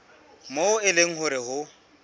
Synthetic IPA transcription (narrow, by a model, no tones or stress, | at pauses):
moʊɪleŋ̩hʊɾɪhʊ